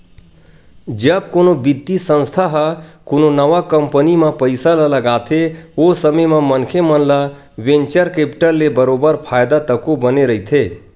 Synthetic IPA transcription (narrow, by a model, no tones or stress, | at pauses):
d͡ʒəbkonobid̪isə̃nst̪ʰaɦəkononəʋakəmpənimẽpəɪsalələɡat̪ʰeosəməmemənkʰemənla | ʋẽnt͡ʃəɾkepʈəɾlːebəɾobəɾpʰajd̪at̪əkobəneɾəɦt̪ʰe